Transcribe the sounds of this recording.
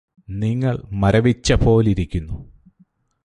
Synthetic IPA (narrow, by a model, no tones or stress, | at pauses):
niŋːɐɭmɐɾɐʋit͡ɕːɐpo̞ːliɾikʲːunːu